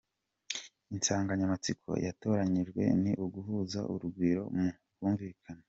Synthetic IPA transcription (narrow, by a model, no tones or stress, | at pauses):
insaːŋɡaɲamat͡sikʰo̞̰jato̞ːɾaɲiʒɡwe̞̰niʔuɡuɦuːza̰ʔuɾuɡwiːɾo̞̰mu | kuːɱviːkʰana